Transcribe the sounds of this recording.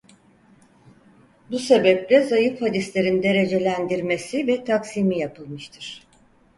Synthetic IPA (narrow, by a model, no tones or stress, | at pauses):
buse̞bɛplʲɛzajɯfhad̪islʲeɾind̪e̞ɾe̞d͡ʒe̞lʲænd̪iɾme̞sivɛt̪ʰaksimijapʰɯlˠmɯʃt̪ʰɯɾ̥